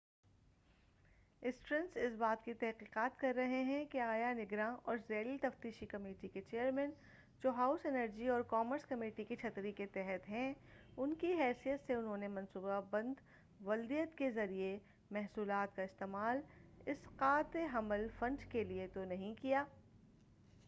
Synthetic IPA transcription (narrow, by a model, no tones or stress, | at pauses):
ɪsʈɾə̃nsɪsbaːt̪kit̪ɛɦqiːqaːt̪kɐɾːɐɦeɦɛ̃keaːjanɪɡɾãɔːɾzɛːlit̪ɐft̪iːʃikɐmeːʈiket͡ʃeːəɾmɛ̃ːn | d͡ʒoːɦaːʊsɛnəɾd͡ʒiɔːɾkɔːməɾskɐmeːʈikit͡ʃʰɐt̪ɾiket̪ɛɦɛt̪ɦɛ̃ʊnkiɦɛːsijət̪seʊnɦõːnemɐ̃nsuːbabɐ̃nd̪ | ʋɐld̪ijət̪kezɐɾie | mɛɦsuːlaːt̪kaɪst̪eːmaːlɪsqaːt̪eɦɐməlfɐ̃ɳɖkeliet̪onɐɦĩkijaː